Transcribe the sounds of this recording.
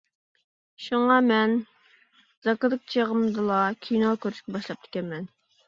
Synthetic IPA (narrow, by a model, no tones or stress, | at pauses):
ʃuŋɑmɛn | z̥ɑkɨd̪ɨk̚t͡ʃʰeʁəmd̪ɨlˠɑkʲʰijnokʲʰøɾʃkʲɛbɑʃlˠɑp̚t̪ʰɪ̥kʲɛnmɛn